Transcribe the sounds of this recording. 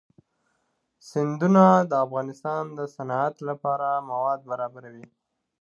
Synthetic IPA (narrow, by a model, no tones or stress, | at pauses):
sɪnd̪unad̪əafɣɑnɪst̪ɑnd̪əsanɑat̪lapɑɾamawɑd̪̚baɾɑbaɾawi